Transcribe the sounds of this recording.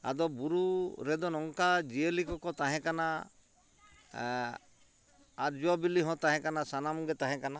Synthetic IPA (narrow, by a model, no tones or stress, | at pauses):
a̰d̪ɔbuɾuɾɛd̪ɔnɔŋkad͡ʒielikɔkɔt̪aɦɛ̃kana | aɾd͡ʒuabiliɦɔ̃t̪aɦɛ̃kanasanamuɡɛt̪aɦɛ̃kana